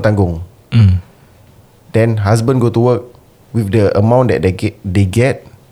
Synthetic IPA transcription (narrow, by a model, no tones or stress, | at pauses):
t̪ãŋɡʊ̃ŋ | dɛ̃nɦas̬bə̃nɡotuwək̚ | wifdəʔə̰mãw̃ndɛ̰t̚ddeɡɛt̚